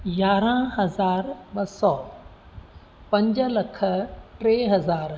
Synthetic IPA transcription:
jaːɾãɦɐzaːɾɓɐsɔː | pɐ̃ɲd͡ʑəlɐkʰəʈɾeːɦɐzaːɾ

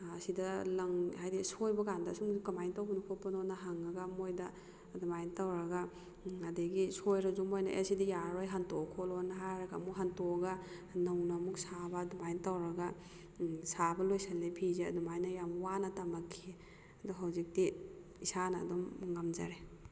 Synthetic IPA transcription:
ɐsidɐlɐŋhajdisojbɐkandɐsumukɐmajntawbunupʰɔpːɐnɔnaɦaŋɐɡamojdɐ | dumajntawɾɐɡɐ | adeɡisojɾɐzumojnɐ̰ʔḛsidijaɾojɦantokʰɔlɔnaɦaɾɐɡamuɦantɔɡɐ | nɐwnamuk̚sabɐdumajntawɾɐɡɐ | sabɐlojsalːepʰizeɐdumajnɐjamwanɐtamakʰːi | ɐdɔɦawzik̚di | isanɐ̰dɔmŋamd͡ʒa̰ɾe

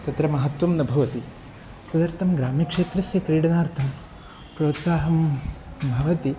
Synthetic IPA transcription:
t̪ɐt̪ɾɐmɐɦɐt̪ʋɐmnɐbʱɐʋɐt̪i | t̪ɐd̪ɐɾt̪ʰɐmɡɾaːmikʂeːt̪ɾɐsjɐkɾiːɽɐnaːɾt̪ʰɐm | pɾoːt̪saːɦɐmbʱɐʋɐt̪i

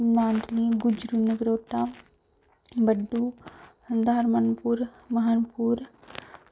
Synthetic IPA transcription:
maːnd̪liɡʊd͡ʒɾunəɡɾoːʈaː | bəɖːu | d̪ʱaːɾmənpuɾ | mɐɦanpuɾ

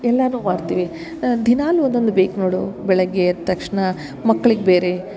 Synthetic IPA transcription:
ɛlːɐnuːmaːɽt̪iːʋi | d̪ʱinaːluond̪ond̪ubeːknoːɽubɛɭɐɡeɐt̪ːɐkʂɳɐ | mɐkːɐɭiɡebeːɾe

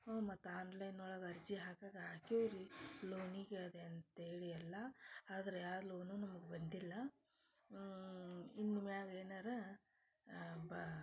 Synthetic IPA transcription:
oːmɐt̪ːaːnlɐjnɔːɭaːɡɐɐɾd͡ʒiɦaːkaːɡɐɦaːkioʋɾiloːniɡeɐd̪eɐnt̪ɐɦeːɭijɐlːɐaːd̪ɐɾeaːd̪loːnunɐmɐɡebɐnd̪ilːɐ | inːimjaːɡeːnaːɾe | ba

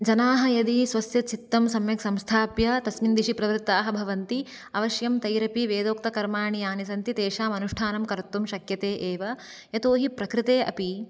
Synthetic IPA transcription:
d͡ʒɐnaːɦɐ̆jɐd̪isʋɐsjɐt͡ʃʰit̪ːɐmsɐmjɐksɐmst̪ʰaːpjɐt̪ɐsmind̪iʃipɾɐʋɾt̪ːaːɦɐbʱɐʋɐnt̪i | ɐʋɐʃjɐmt̪ɐjɾɐpiʋeːd̪oːk̚t̪ɐkɐɾmaːɳijaːnis̬ɐnt̪it̪eːʃaːmɐnuʂʈʰaːnɐmkɐɾt̪ːumʃɐkjɐt̪eːʔeːʋɐ | jɐt̪oːɦipɾɐkɾɪt̪eːʔɐ̰pi

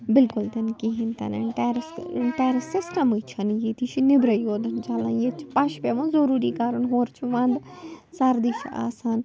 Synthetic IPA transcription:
bɪlkʊlt̪ɐnkiɦĩnt̪ɐ̰nɐ̰ɳʈeːɾsʈeːɾɐsɪsʈɐmɨt͡ʃʰɐnjeːt̪it͡ʃʰinɪbɾɐjoːd̪ɐnd͡ʒɐlãjet͡ʃʰi̥pɐʃpeʋɐ̃nzɐɾuːɾikaːɾɐnɦoːɾt͡ʃʰuʋãːnd̪saːɾd̪iːʃa̰ːsaːn

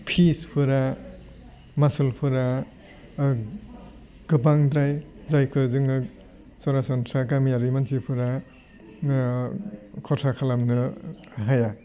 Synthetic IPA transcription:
pʰispʰɯɾa | masɯlpʰɯɾa | ɡ̥ɯpaŋd̪ɾaj | zajkʰɯzɯŋɯ | sɔɾasɔntʰɾakamijaɾimansipʰɯɾa | kʰɔtʰakʰalamnɯ | ɦaja

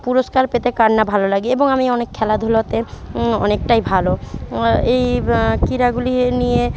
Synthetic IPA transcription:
puɾoskaɾpet̪ekaɾnːabʱalolaɡieboŋamiɔnekʰːɛlad̪ʱulot̪eɔ̰nek̚ʈajbʱalo | ejkiɾaɡulinije

